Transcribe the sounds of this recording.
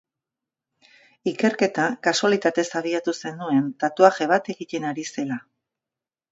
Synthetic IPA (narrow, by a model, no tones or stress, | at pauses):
ike̞ɾke̞t̪akasualit̪at̪e̞saβ̞iat̪use̞nd̪ue̞nt̪at̪uaxe̞βat̪e̞ɣit̪e̞naɾise̞la